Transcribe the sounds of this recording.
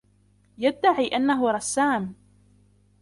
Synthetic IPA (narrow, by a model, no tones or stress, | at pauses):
jad̪ːaʕiːʔanːaɦʊɾˤɑsːaːm